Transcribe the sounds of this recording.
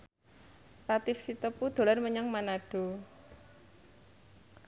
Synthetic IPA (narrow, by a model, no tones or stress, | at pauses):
pat̪ɪfsit̪əpud̪̥o̤larməɲaŋmanaɖ̥o̤